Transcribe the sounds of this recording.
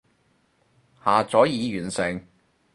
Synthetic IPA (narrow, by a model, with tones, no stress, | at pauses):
haː˨t͡sɔː˨˥jiː˨˧jyː˨˩nsɪ˨˩ŋ